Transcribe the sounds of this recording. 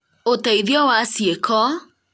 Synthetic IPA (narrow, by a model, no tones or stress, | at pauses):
otɛiðjɔwasjekʰɔ